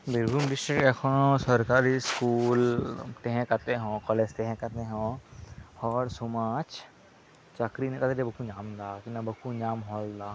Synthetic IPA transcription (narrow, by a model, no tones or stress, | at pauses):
bɪɾbuːmɖ̪ɪsʈɾɪkekʰõsəɾkaːɾiskuːlt̪eɦɛ̃kɐt̪eɦõːkɔːled͡ʒt̪eɦɛ̃kɐt̪eɦõ | hɔːɾsʊmaːt͡ʃ | t͡ʃɐkɾinẽkat̪ed̪ebɐkuɲaːmd̪aːkinɐbɐkuɲaːmɦɔːld̪aː